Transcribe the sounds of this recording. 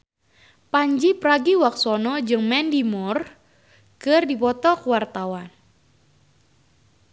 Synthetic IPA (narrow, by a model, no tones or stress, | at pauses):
paɲd͡ʒipɾaɡiwak̚sɔnɔd͡ʒɨŋmɛndimɔr | kɨrdipɔt̪ɔkəwart̪awan